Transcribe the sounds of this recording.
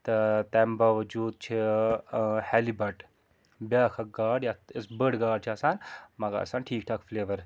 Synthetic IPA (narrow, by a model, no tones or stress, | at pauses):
t̪ɐt̪ɛːmbɐːʋɐd͡ʒuːd̪̚t͡ʃʰi | hɛlibɐʈ | bʲjaːkʰɐk̚ɡaːɽjaəsbəɽɡaːɖ̚t͡ʃʰiɐsaːnmɐɡa̰ːsaːnʈʰiːk̚ʈʰaːkfleːʋɐɾ